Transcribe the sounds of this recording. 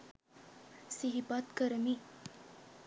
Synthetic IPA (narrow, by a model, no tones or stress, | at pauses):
siɦipat̪kəɾəmi